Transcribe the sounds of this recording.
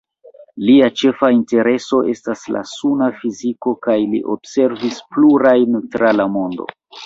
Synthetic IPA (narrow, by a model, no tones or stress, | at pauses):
liat͡ʃe̞fainte̞ɾe̞so̞ʔe̞stasla̰sunafiziko̞kajlḭʔo̞̰bse̞ɾvispluɾajntɾalamo̞ndo̞̰